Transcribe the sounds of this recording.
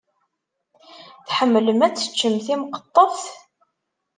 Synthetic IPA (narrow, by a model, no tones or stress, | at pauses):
θħəmːləmæt͡sːə̥t͡ʃːəmθimqə̥t̪ˤːəθ